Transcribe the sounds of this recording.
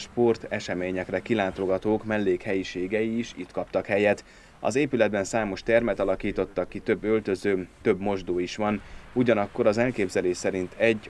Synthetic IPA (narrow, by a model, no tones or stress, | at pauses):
ʃpo̞rt̪ɛʃɛmeːɲɛkrɛkilaːt̪oɡɒt̪oːkmɛlːeːkhɛjiʃeːɡɛjiːʃḭt̪kɒpt̪ɒkhɛjɛt̪ | ɒ̰zeːpylɛd̪̚bɛnsaːmo̞ʃt̪ɛrmɛt̪ɒlɒkiːt̪o̞t̪ːɒkːit̪ø̞bːø̞lt̪ø̞zøːt̪ø̞bmo̞ʒd̪oːiʃʋɒnuɟɒnɒkːo̞ɾɒzɛlkeːbzɛleːʃsɛɾint̪ʰɛɟː